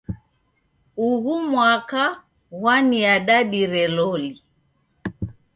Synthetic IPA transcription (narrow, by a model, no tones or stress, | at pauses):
uɣumwaka | ɣwaniaɗaɗiɾɛlɔli